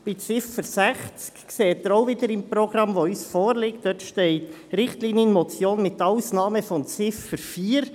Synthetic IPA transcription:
b̥ɪt͡sɪfəɾsæχt͡skkseːt̪ːəɾoʊvɪdəɾɪmpɾoɡɾɑmʋoysfoːɾlɪkt̚d̥œtʃtɛɪtɾɪχtliːnjənmɔt͡sjoːnmɪt̪aʊsnɑːməfɔnt͡sɪfəɾfiːɾ

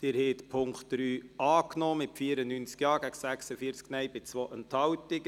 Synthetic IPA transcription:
d̥̪ɪːɾhɛːt̪pʰʊŋkχtɾyːʔɑːknoːmɪtfiəɾənynt͡skjɑːɡæɡ̥sæχsəfiəɾt͡sknɛjbɪt͡sʋoːʔənt̪hɑwtɪɡ

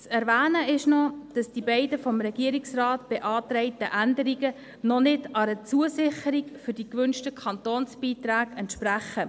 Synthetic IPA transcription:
t͡sɛɾʋæːnəɪʃnɔd̥ɑsd̥ibɛɪdəfɔmɾɛɡ̥iəɾiksrɑːtb̥eʔɑːt̪ɾɛɪtəʔændəɾiɡə | nɔnɪdɑɾət͡suəsɪχəɾikfʏɾd̥ikʋʏnʃtəkʰχɑntoːnsb̥iːtɾæːɡɛntʃpɾæχə

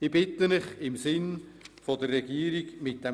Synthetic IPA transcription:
ib̥ɪtənɪχɪmsɪnfodərːɛɡ̥iːəɾiɡmɪt̚d̥ɛ

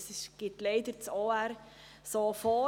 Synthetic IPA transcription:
sɪʃɡ̥ɪtleɪd̪əɾt͡soːæɾ | soːfɔː

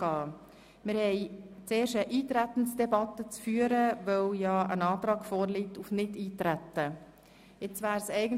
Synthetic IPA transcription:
ɑː | mɪɾhɛɪt͡seːɾʃəʔiːt̪ɾæt̪ən̩sd̥ɛbɑt̪ːət͡sfyːəɾəvœwjɑːə̰nɑːt̪ɾɑːɡ̥foːɾliːtufnɪdiːtɾæt̪ːə | ɪt͡svæːɾsɛɪɡən̩

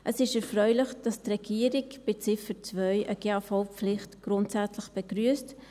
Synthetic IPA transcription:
ʔəsɪʃɛɾfɾœʏlɪχd̥ɑstrɛɡ̥iəɾɪkb̥ɪt͡sɪfət͡svœʏʔəɡ̥eːafɔʊpflɪχtɡ̥ɾʊntsæt͡sləχb̥ɛɡ̥ɾyəst

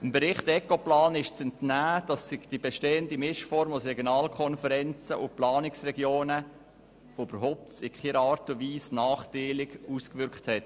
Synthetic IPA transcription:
əmbəɾɪχtɛkoplɑːnɪʃt͡sɛntnæːd̥ɑsːɪɡd̥ibeʃteːəndimɪʃfɔɾmʊsɾɛɡjonɑːlkʰɔnfəɾɛnt͡səʔʊplɑːnɪksrɛɡjoːnə | ʋoyb̥əɾɦoʊp̚tsɪkχiɾɑːɾtʊviːsnɑːχtiːlɪɡuskvʏɾkthɛt

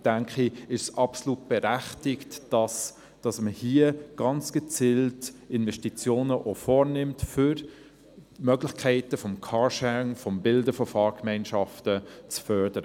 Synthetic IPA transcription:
d̥æŋkχiɪʃsʔɑpsoluːt̚b̥ɛɾæχtɪktɑs | d̥ɑsməhiəɡ̥ɑnt͡sɡ̥ɛt͡siltɪnvɛʃtit͡sjoːnəʔofɔːɾnɪmtfʏɾ | mœɡlɪχkʰɛɪtəfɔmkʰɑʃɛŋfɔmbɪldəfɔfɑːɾkmɛɪnʃɑftət͡sfœɾd̥əɾə

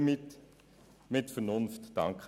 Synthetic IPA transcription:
mt | mɪtfənʊnftd̥ɑ̰ŋkχ

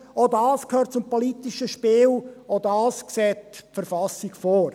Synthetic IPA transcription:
odɑːskʰhøːɾt̚t͡sʊmpɔlitiʃəʃpɪːlodɑːskseːtfəɾfɑsikfɔːɾ

